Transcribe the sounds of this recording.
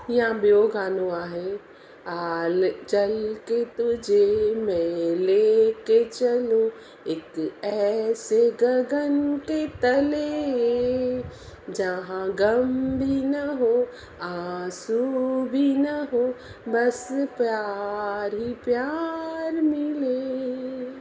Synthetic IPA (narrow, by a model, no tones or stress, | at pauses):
jɐɦãbjoːɡaːnoaːɦe | aːlt͡ʃɐlket̪ʊd͡ʒʱemeːleket͡ʃɐlo | ekɛːseɡɐɡənket̪ɐle | d͡ʒɐɦãɡɐmbʱinɐɦo | asubʱinɐɦo | bɐspjaːɾɦipjaɾmɪle